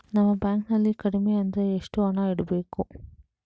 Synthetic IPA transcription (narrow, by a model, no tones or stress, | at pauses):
nɐmːɐbjaːŋknɐlːikɐɽimeɐnd̪ɐeʂʈuɐɳaːiɽɐbeːku